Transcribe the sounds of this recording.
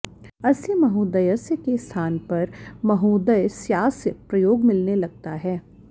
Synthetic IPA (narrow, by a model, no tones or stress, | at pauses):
ɐsjəmɐɦuːd̪əjəsjəkest̪ʰaːnpɐɾmɐɦuːd̪əjsjaːsəpɾɐjoːɡmɪlnelɐɡ̚t̪aɦɛː